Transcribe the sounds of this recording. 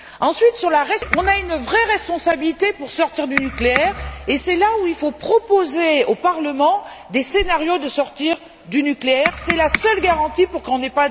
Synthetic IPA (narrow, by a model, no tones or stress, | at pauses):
ɑ̃sɥit̪syʁlaʁɛɔ̃naynvʁɛʁɛspɔ̃sabilit̪epuʁsɔʁt̪iʁd̪ynykleɛʁesɛlauilfopχɔpozeopaʁləmɑ̃ | d̪esenaʁjod̪əsɔʁt̪iʁ | d̪ynykleɛʁsɛlasœlɡaʁɑ̃t̪ipuʁkɔ̃nɛpa